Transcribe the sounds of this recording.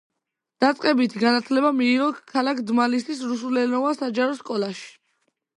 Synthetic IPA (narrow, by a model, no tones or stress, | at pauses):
d̪̥at̪sʼqʼɛbit̪ʰiɡanat̪ʰlɛbamiːʁɔkʰalakʰd̪malisisɾusulɛnɔvasad͡ʒaɾɔskʼɔlˠaʃi̥